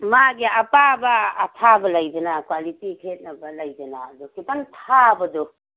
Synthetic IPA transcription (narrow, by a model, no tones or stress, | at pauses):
maɡiapabɐːtʰabɐlajbɐnakwalitikʰet̚nɐbɐlajdɐnaːdukitaŋtʰabɐdɔ